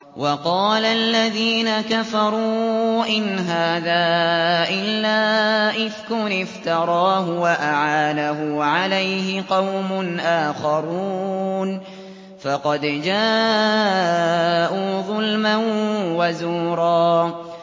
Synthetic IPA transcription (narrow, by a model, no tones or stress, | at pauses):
wʔɑqɑːlalːaðiːnakafɑɾˤuːʔɪnɦaːðaːʔɪlːaːʔɪðkʊnɪft̪ɑɾˤɑːɦʊwaʔaʕaːd̪aɦʊʕalajɦɪqɑwmʊnʔaːxɑɾun | fɑqɑd̪d͡ʒaː | ʔuːðˤʊlmanwazuːɾˤɑː